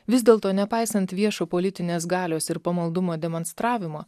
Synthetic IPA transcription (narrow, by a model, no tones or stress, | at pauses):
ʋʲɪzd̪ʲeːlˠt̪oːnʲɛpɑˑɪsɐnt̪ʋʲiɛʃoːpoːlʲɪt̪ʲɪnʲeːsɡɑːlʲoːsɪɾpɐmɐlˠd̪ʊmoːd̪ʲɛmoːnst̪ɾɑːʋʲɪmoː